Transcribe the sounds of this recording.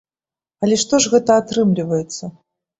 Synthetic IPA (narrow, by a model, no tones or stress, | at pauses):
ɐlʲɛʂt̪ɔʐɣɛt̪ɐat̪ɾɨmlʲivɐjɛt̪sːɐ